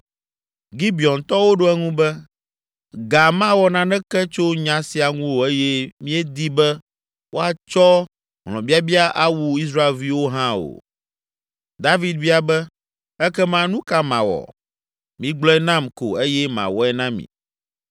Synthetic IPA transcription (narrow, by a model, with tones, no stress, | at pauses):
ɡi˦bi˨ɔ˨nt̪ɔ˦wo˦ɖo˦ɛ˦ŋũ˦bɛ˦ | ɡa˨mã˦wɔ˨nã˦nɛ̃˦kɛ˦t͡ʃo˦ɲã˨˦si˨a˨ŋũ˦wo˨e˦jɛ˦mĩ˦ɛ˦d̪i˦bɛ˦ | wo˦a˨t͡ʃɔ˦ | ɦl̃ɔ̰̃˨bi˦a˦bi˦a˦ʔa˦wu˦i˦s̬ɾa˦e˨lvi˦wo˦ɦã˦o̰˨ | d̪a˦vi˦d̪̚vi˦a˨bɛ˦ | ɛ˦kɛ˦mã˨nũ˦ka˦mã̰˨wɔ̰˨ | mĩ˦ɡ͡blɔ˦ɛ˦nã˦mko̰˨e˦jɛ˦mã̰˨wɔ˦ɛ˦nã˦mḭ̃˨